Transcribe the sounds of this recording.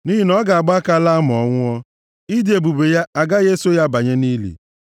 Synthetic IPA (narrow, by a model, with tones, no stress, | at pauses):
ni˦ɦi˦nɔ˦ɡa˨a˨ɡ͡ba˦ka˦la˦a˦m˨ɔ˨ŋʷʊ˦ɔ˦ | i˦dɪ˨˦e˨bu˨be˨ja˦a˨ɡa˦je˦so˦ja˦ba˨ɲe˦ni˦lḭ˨